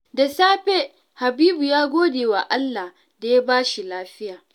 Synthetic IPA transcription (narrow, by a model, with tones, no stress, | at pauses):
da˨saː˦ɸe˦ | ha˨biː˦bu˨jaː˦ɡʷoː˦deː˨wa˨ʔa˦lːa˨h | da˨ja˦baː˦ʃi˨laː˦ɸɪ˦jaː˨